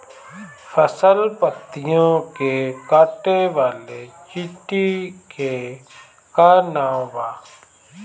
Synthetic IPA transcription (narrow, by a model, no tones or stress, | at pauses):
fʰəsəlpət̪ːɪjõkekaːʈeʋaːlet͡ʃɪʈike | kanãːʋaː